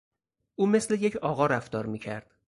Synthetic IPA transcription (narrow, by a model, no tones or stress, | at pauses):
ʔuːme̞sle̞je̞cʰɒːɣɒːɾæft̪ɒːɾmiːcʰæɾd̪̥